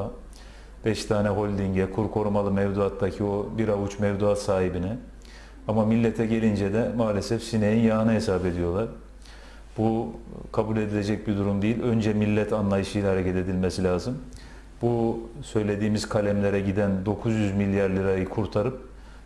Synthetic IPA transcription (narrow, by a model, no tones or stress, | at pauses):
b̥ɛʃt̪ʰaːnɛɦo̞lʲd̪iɲɟɛkʰuɾkʰo̞ɾumalˠɯmɛvd̪uat̪d̪acʰio̞biɾavut͡ʃmɛvd̪uat̪saːhibinɛ | amamilʲːɛt̪ʰɛɟe̞lʲind͡ʒɛd̪ɛmaːlʲesɛfsinejinjaɦɯnaɦesaːbe̞d̪ijo̞lˠaɾ̥ | bukʰabulʲe̞d̪ilʲe̞d͡ʒɛc̚bid̪uɾumd̪ejilʲø̞nd͡ʒɛmilʲːɛt̪ʰanlˠajɯʃɯjlʲahaɾecʰɛt̪e̞d̪ilʲmesilʲaːzɯm | busø̞jlʲe̞d̪iːmizkʰalʲɛmlʲeɾɛɟid̪ænd̪o̞kʰuzjyzmilʲːjaɾlʲiɾajɯkʰuɾt̪ʰaɾɯp̚